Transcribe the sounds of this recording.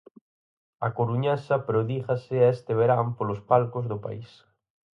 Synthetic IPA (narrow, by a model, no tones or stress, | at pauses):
ɐ̰koɾuɲasɐpɾoðiɣɐsɪaest̪ɪβ̞eɾampolospalkʊzðʊpa̰is